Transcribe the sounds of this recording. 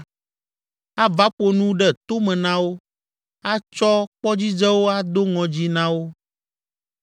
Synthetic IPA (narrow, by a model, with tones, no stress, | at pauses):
a˦va˦ɸo˨nũ˦ɖɛ˦˨t̪o˦mɛ̃˨nã˦wo˦ | a˦t͡ʃɔ˦k͡pɔ˦d͡ʑi˦d͡ʒɛ˦wo˦a˦d̪o˦ŋɔ̃˨d͡ʑi˦nã˦wo˦